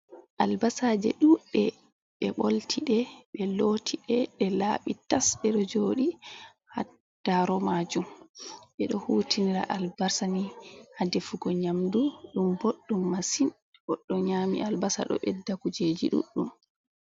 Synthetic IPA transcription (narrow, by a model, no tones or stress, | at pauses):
ʔalbasaːd͡ʒɛ̰ɗuɗɛ | ɓɛɓoltʰiɗɛɓɛlotʰiɗɛɗɛla̰ɓitasɓɛɗɔd͡ʒoːɗi | ha | d̥aɾɔmad͡ʒumɓɛɗɔhuːtʰiniɾa̰ʔalbaɾsanihadɛfuɡɔɲamduɗumboɗːumːasin | bɔɗːɔɲaːmḭʔalbasa̰ɗɔ̰ɓɛdːakud͡ʒeːd͡ʒiɗṵɗːum